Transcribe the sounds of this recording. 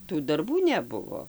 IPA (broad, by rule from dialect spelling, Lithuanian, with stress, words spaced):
ˈtuː dɐrˈbuː nʲɛˈbʊʋoː